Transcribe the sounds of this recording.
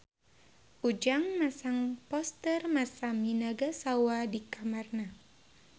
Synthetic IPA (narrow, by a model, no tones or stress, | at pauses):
ʔud͡ʒaŋmasaŋpɔst̪ərmasamːinaɡasawadikamarna